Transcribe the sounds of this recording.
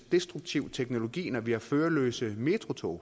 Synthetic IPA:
d̥e̝sd̥ʁuɡ̥̚t͡sʰiʊt͡sʰeɡ̥no̝lo̝ɡ̥ḭːnɒʋihɑ̈føːɐlø̰ːsəme̝t͡sʰʁo̝t͡sʰo̰ː

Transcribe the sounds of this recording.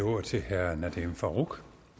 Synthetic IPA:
oɐ̰t͡sʰe̝hæɐnæd̥emfɑʁuɡ̥

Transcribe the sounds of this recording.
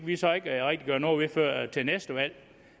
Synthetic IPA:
ʋisɒ̽e̝ɡ̥ʁɛɡ̥̚d̥iɡ̥ɶɐnɒːʋe̝fɶɐ̰t͡sʰe̝lnesd̥əʋæl̰

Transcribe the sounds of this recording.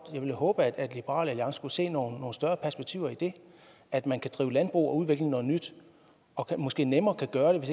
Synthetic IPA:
jɑ̈ɪʋe̝lhɔ̽ːb̥əæd̥æd̥lib̥əʁɑ̰̈ːlæliɑ̈ŋsə̥kuse̝̰ːnoːnːo̝ːn̩sd̥ɶɐpʰæɐsb̥eɡ̥̚t͡sʰḭʊ̰ɐid̥e̝ | æd̥mænkʰæd̥ʁiːʊlænd̥b̥ʁṵːɒ̽uð̞ˠeɡ̥lə̥nɔ̽ːð̞̩ˠnyd̥ | ɒ̽kʰmɒ̽sɡ̥e̝̰ːnemɐːkʰæɡ̥ɶːɐɾ̥e̝ʋe̝s

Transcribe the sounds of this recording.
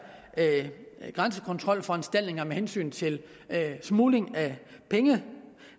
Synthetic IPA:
ɡ̥ʁɑ̈nsə̥kʰɔ̽nt͡sʰʁɒ̽l̰fɒ̽ensd̥æl̰d̥neŋɐmehensy̰ːnt͡sʰe̝l | smuːle̝ŋæpʰeŋə

